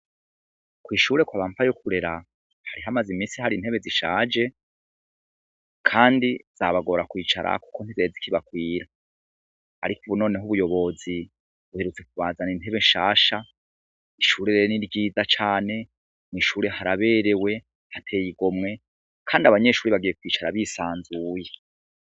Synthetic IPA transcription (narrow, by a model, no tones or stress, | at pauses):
kwiːʃuːɾe̞kwaβaːmpajokʰuɾe̞ɾa | haɾiɦamazimiːsihaɾin̥he̞βe̞ziʃaːd͡ʒe̞ | kʰaːndiz̥aβaɡo̞ɾakwiːt͡ʃaɾa̰ku̥ko̞n̥izezikiβakwiːɾaː | ɾikuβuno̞ːne̞ɦuβujo̞βo̞zi | βuheɾut͡se̞k̚uβaːzanin̥e̞βe̞nʃaːʃa | iʃuːɾeɾeɾeniɾɟiːzat͡ʃaːne̞ | niʃuːɾehaɾaβe̞ːɾe̞we̞ | hatʰeːjiɡo̞mŋe̞ | kʰaːndiaβaɲe̞ʃuːɾiβaɡije̞kwiːt͡ʃaɾaβisaːnzuːje̞